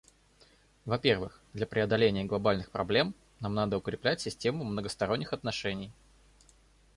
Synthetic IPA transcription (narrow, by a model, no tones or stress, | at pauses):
vɐpʲe̞rvɨxd̪lʲɐpɾʲɪɐd̪ɐlʲenʲɪjəɡlˠɐbalʲnɨxpɾɐblʲe̞m | namnad̪əʊkɾʲɪplʲætʲsʲɪsʲtʲe̞mʊmnəɡəst̪ɐɾo̞nʲːɪxɐt̪nɐʂɛnʲɪj